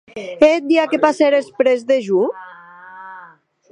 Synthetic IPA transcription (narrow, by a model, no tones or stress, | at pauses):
et̪̚d̪iakepaseɾespɾezðeʒu